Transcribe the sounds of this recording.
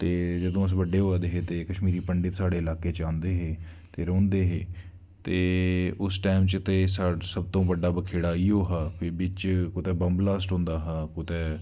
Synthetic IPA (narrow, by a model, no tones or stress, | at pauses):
t̪eːd͡ʒəd̪õːəs̬ʋəɖːeːɦoaːd̪eːɦeːt̪eːkəʃmiːɾiːpəɳɖɪt̪saːɽeːɪlaːkeːt͡ʃãːnd̪eːɦeː | t̪eːɾɔ̃ːnd̪eːɦeː | t̪eːʊsʈaːmt͡ʃt̪eːsaːsəb̚t̪õːʋəɖaːbəkʰeːɽaːiːoːɦaːpʰɪbɪt͡ʃkʊt̪ɛːbəmblaːsʈɦõːnd̪aːɦaːkʊt̪ɛː